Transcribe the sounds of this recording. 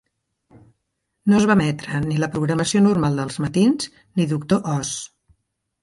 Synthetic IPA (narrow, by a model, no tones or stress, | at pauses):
nozβamɛt̪ɾəniləpɾuɣɾəməsionuɾmalˠd̪əlˠzmət̪inz | niðukt̪oʔɔs